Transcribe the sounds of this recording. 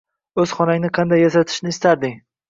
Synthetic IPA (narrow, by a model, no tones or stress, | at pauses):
ɵz̥χɒnaŋʲɪnɪqʰɑnd̪ajːasat̪ʰɪ̥ʃnɪːst̪aɾd̪ɪŋ